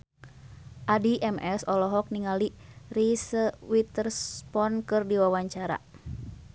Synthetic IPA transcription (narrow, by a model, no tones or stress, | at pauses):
ʔadiʔɛmɛsɔlɔɦɔk̚niŋalirisəwit̪ərspɔnkɨrdiwawaɲt͡ʃaɾa̰